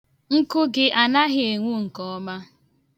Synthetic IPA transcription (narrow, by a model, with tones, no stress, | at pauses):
ŋ̩˦kʊ˦ɡɪ˦ʔa˨na˦ɦɪ˨e˨ŋʷu˦ŋ̩˨kɔ˦ɔ˦ma˦